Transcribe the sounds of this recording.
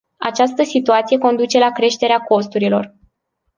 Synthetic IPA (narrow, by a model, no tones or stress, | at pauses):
a̰t͡ʃast̪əsit̪uat̪sije̞ko̞nd̪ut͡ʃe̞lakɾe̞ʃt̪e̞ɾeako̞st̪uɾilo̞r